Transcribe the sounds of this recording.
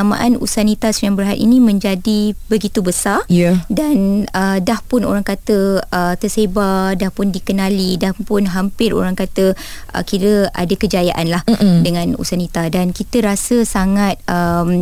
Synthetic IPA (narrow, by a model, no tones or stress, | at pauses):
amaʔanṵsanit̪asujaŋbərɦat̪ḭnĩmə̃ɲd͡ʒadibəɡit̪ubəsarjdanədahpʊno̰ɾaŋkat̪əət̪ərsebadahpʊndikənalidahpʊnɦampɪɾo̰ɾaŋkat̪ə | ʔə̰kiɾəa̰dakəd͡ʒajaʔanlahdəŋãnṵsanit̪adankit̪əɾasəsaŋat̪̚əm